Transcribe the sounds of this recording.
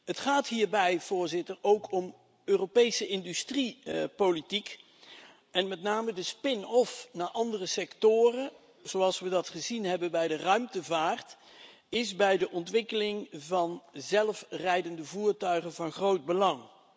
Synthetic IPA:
ɦətχaːtɦiːɹbɛjv̥ʊːɹzɪtəɹowkʰɔm | øːropejsəʔɪndystripolitik | ɛnmɛtnaːmədəspɪnɔfnaːʔɑndərəsɛktʊːrə | z̥owɑlˠsʋədɑtχəzinɦɛbənbɛjdərœɥmtəvaːrt | ɪzbɛjdəʔɔntʋɪkəlɪŋvɑnzɛlˠfrɛjdəndəvuːɹtœɥχənvɑnχrowd̚bəlɑŋ

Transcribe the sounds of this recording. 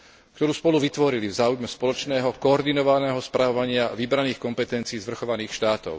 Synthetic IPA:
kt̪ɔɾuːspɔluʋit̪ʋɔɾilivzaːujmɛspɔlɔt͡ʃnɛːɦɔkɔːɾd̪inɔʋanɛːɦɔspɾʔaʋɔʋaɲɪaʋibɾaniːxkɔmpɛt̪ɛnt͡siːzʋr̩xɔʋaniːxʃt̪aːt̪ɔ̰ʊ

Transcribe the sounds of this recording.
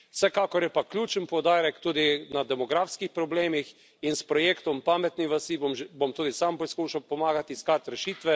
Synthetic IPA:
wsɛkaːkɔɾjɛpaklʲjuːt͡ʃənpɔwd̪aːɾɛkt̪uːd̪inad̪ɛmɔɡɾaːfskixpɾɔbleːmix | inspɾɔjeːkt̪ɔmpaːmɛt̪niʋɐsiomʒbomt̪uːd̪isampɔskuːʃawpɔmaːɡat̪iskaːt̪ɾɛʃiːt̪ʋɛ

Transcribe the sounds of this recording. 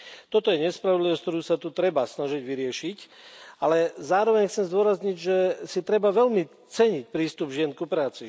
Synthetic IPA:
t̪ɔt̪ɔjɛɲɛspɾaʋɔd̪liʋɔskt̪ɔɾuːsat̪ut̪ɾɛbasnaʒiɟʋiɾɪɛʃic | alɛzaːɾɔʋɛɲxt͡sɛmzd̪ʊɔɾazɲiɟʒɛsit̪ɾɛbaʋɛlmi | t͡sɛɲic̚pɾiːst̪ubʒɪɛnkupɾaːt͡si

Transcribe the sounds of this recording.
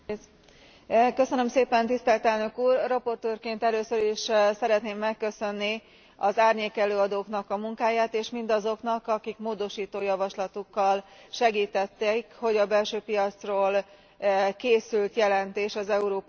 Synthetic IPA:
kø̞sønø̞mseːpɛnt̪ist̪ɛlt̪ɛlnø̞kuːrːɒpo̞rt̪øːrkeːnt̪ɛløːsøɾiʃsɛɾɛt̪neːmːɛkːø̞sø̞nːi | ɒzaːrɲeːkɛløːɒd̪oːknɒkɒmuŋkaːjaːt̪eːʃmind̪ɒzo̞knɒkɒkikmoːd̪o̞ʃiːt̪oːjɒvɒʃlɒt̪ukːɒlʃɛɡiːt̪ɛt̪ːɛkho̞ɟɒbɛlʃøːpijɒt̪sroːl | keːsylt̪jɛlɛnt̪eːʃɒzɛuɾoːp

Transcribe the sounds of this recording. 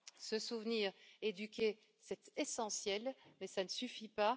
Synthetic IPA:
səsuvniʁed̪ykʲe | sɛt̪esɑ̃sjɛlmɛsanəsyfipa

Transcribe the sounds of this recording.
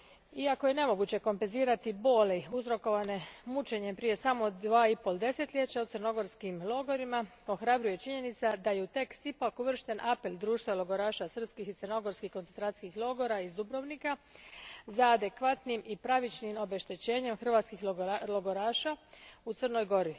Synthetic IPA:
iako̞je̞ne̞mo̞ɡut͡ɕe̞ko̞mpenziːɾat̪ibo̞ːleuzɾo̞ko̞ʋane̞mut͡ʃe̞ɲe̞pɾije̞samo̞d̪ʋaːipo̞lˠd̪e̞se̞t̪ʎʲe̞t͡ɕaut̪sɨrno̞ɡo̞ɾskimlˠo̞ɡo̞ɾima | o̞xɾabɾuje̞t͡ʃiɲe̞nit̪sad̪aje̞ut̪e̞kst̪ipakuʋr̩ʃt̪e̞nʔape̞ld̪ɾuːʃt̪ʋalˠo̞ɡo̞ɾaːʃasr̩pskixit̪sərno̞ɡo̞ɾskixkont̪ent̪ɾat̪skixlˠo̞ɡo̞ɾaizd̪ubɾoʋnika | zaːd̪e̞kʋat̪nimipɾaʋit͡ʃnimo̞be̞ʃt̪it͡ɕe̞ːɲe̞mxr̩ʋaːt̪skixlo̞ɡo̞ɾaːʃaut̪sərno̞jɡo̞ɾi

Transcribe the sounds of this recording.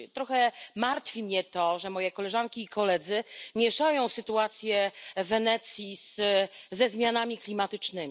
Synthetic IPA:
t̪ɾɔxɛmaɾt̪fʲimɲɛt̪ɔʐɛmɔjɛkɔlɛʐankʲiːkɔlɛd̪zɘmʲjɛʂajɔ̃w̃sɘt̪uat̪sʲjɛvɛnɛt̪sʲjiszɛzmʲjanamʲiklʲimat̪ɘt͡ʂnɘmʲ

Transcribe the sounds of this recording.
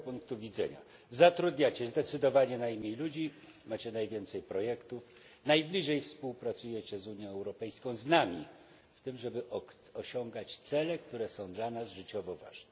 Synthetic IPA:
puŋk̚t̪uvʲid̪zɛ̰ɲa̰ | zat̪ɾud̪ɲat͡ɕɛzd̪ɛt̪sɘd̪ɔvaɲɛnajmʲejlud͡ʑi | mat͡ɕɛnajvʲjɛnt̪sɛjpɾɔjɛkt̪uf | najblʲiʐɛjfspuwpɾat̪sujɛt͡ɕɛzuɲjɔ̃w̃ɛwɾɔpɛjskɔ̃w̃znamʲi | ft̪ɘmʐɛbɘʔ | ɔɕɔŋɡat͡ɕt̪sɛlɛk̚t̪uɾɛsɔ̃w̃d̪lanazʐɘt͡ɕɔvɔva̰ʐnɛ

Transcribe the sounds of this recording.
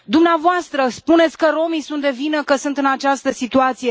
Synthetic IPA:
d̪umneavoast̪ɾəspune̞t̪sʲkəɾo̞misunt̪d̪e̞vinəkəsunt̪ɨnat͡ʃast̪əsit̪uat̪sije̞

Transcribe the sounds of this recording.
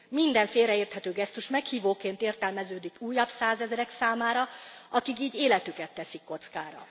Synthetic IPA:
mind̪ɛɱfeːlrɛeːrt̪hɛt̪øːɡɛst̪uʃmɛkhiːvoːkeːnt̪eːrt̪ɛlmɛzøːd̪ikuːjːɒbsaːzɛzɾɛksaːmaːɾɒɒkikiːɟeːlɛt̪ykɛt̪ːɛsikːo̞t̪skaːɾɒ̰

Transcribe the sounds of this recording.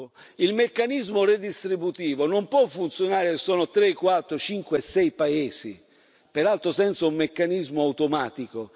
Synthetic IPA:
ilmekːanizmʊred̪ist̪ɾibut̪iːvonompwɔfːunt̪sjonaːɾesɔːnot̪ɾekːwat̪ːɾʊt͡ʃiŋkwesːɛjpaeːsḭ | peɾalt̪ɾosɛnt̪saumːekːanizmʊawt̪omaːt̪iko

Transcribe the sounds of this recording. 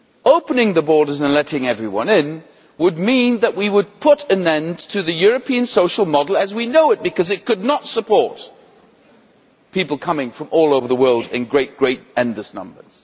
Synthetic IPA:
oʊpənɪ̃ŋðəbɔɹɾə˞zɨ̃nlɛɾɪ̃ŋɛvɹiwʌ̰̃nɪ̃n | wəd̚mĩnðɨʔ̚wiwəd̚pʰʊɾɨ̃nɛ̃ntʰɨðɨjʊɹɨpʰiɨ̃nsoʊʃl̩ˠmɑdl̩ˠɨzwinoʊɨt̚b̥ɨkʌzɨt̚kʰɨdⁿnətsəpʰɔɹt̚ | pʰipl̩ˠkʰʌmɪ̃ŋfɹʌ̃mʔɔlˠoʊvə˞ðəwɜ˞lˠdɨ̰̃nɡɹeɪt̚ɡ̥ɹeɪtɛ̃ndˡləsnʌ̰̃mbə̰˞z̥

